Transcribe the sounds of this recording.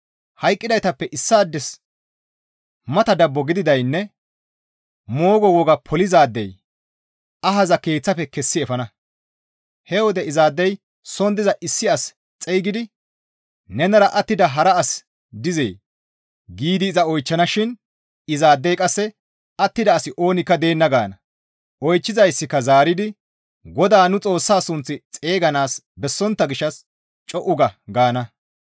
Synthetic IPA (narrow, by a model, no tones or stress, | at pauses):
hɐjkʼːɪd̪ɐjt̪ɐpːɛʔɪsːaːd̪ːɛs | mɐt̪ɐd̪ɐbːɔɡɪd̪ɪd̪ɐjnːɛ | moːɡɔwɔɡɐpʰɔlɪzaːd̪ːɛj | ɐɦɐzɐkeːt͡sːɐfɛkɛsːɪɛfɐnɐ | hɛwɔd̪ɛɪzaːd̪ːɛj | sɔnd̪ɪzɐʔɪsːɪɐs | t͡sʼɛjɡɪd̪ɪ | nɛnɐɾɐʔɐt̪ːɪd̪ɐɦɐɾɐːs | d̪ɪzḛː | ɡiːd̪ɪːzɐɔjt͡ʃːɐnɐʃɪn | ɪzaːd̪ːɛjkʼɐsːɛ | ɐt̪ːɪd̪ɐːsɪʔo̞ːnɪkːɐd̪e̞ːnːɐɡaːnɐ | ɔjt͡ʃːɪzɐjsːɪkːɐzaːɾɪd̪ɪ | ɡɔd̪aːnʊt͡sʼo̞ːsːaːsʊnt͡sːɪt͡sʼe̞ːɡɐnaːs | bɛsːɔnt̪ːɐɡɪʃːɐs | t͡ʃʼɔʔʊɡɐɡaːnɐ